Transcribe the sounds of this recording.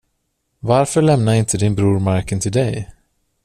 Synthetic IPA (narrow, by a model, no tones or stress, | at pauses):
vaɾfœɭɛmnaɾɪnt̪ʰəd̪ɪnbɾuːɾmaɾkənt̪ʰɪld̪ɛj